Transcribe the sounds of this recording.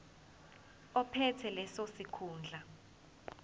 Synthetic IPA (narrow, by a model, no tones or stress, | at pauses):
ɔpʰɛtʰɛlɛsosikʰuːnd͡ɮʱa